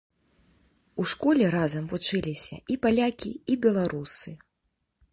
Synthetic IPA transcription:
uʂkɔlʲɛɾazɐmvut͡ʂɨlʲisʲɐ̰ʔipalʲakʲiibʲɛlˠaɾusɨ

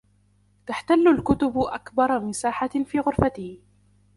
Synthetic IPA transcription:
t̪aħt̪alːʊlkʊt̪ʊbʔakbɑɾˤmɪsaːħafiːɣʊɾfat̪ɪh

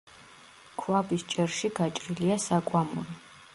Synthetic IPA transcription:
kʰwabist͡ʃʼɛɾʃiɡat͡ʃʼɾiliasakʼwamɔɾi

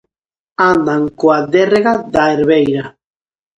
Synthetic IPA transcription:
anaŋkoad̪ereɣad̪aeɾβejɾa

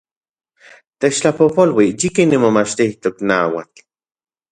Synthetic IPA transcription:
t̪et͡ʃt͡ɬapopolwijikinːimomat͡ʃt̪iht̪oknaːwa̰t͡ɬ

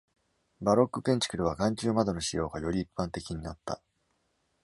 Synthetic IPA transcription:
baɾo̞kːɯ̟pẽ̞ɲ̟t͡ɕi̥kɯ̟ɾɯ̟βaɡãɲ̟t͡ɕɨːmad̪o̞no̞ɕijo̞ːɡajo̞ɾʲiːpːãnt̪e̞kʲiɲ̟inat̪ːa̰

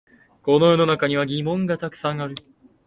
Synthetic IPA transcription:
ko̞no̞jo̞no̞nakaɲ̟iβ̞aɡʲimõ̞ŋɡat̪akɯ̟̥sãŋ̃aɾɯ̟

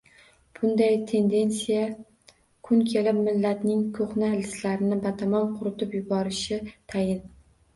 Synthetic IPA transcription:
b̥ʊnd̪ajt̪ʰe̞nd̪e̞nsija | kʰʊnkʲʰe̞lɪpmɪlːat̪nɪŋkʰoχnalɪslaɾɪnɪbat̪ʰamɒnqʰʊɾɪt̪ɪpjʊbɒɾɪʃɪt̪ʰajɪn

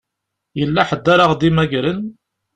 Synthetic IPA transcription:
jəlːæħəd̪ːaɾaʁd̪imæɡɾən

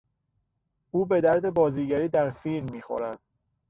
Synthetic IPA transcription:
ʔuːbe̞d̪æɾd̪e̞bɒːziːɟæɾiːd̪æɾfiːlmːiːxo̰ɾæd̪̥̚

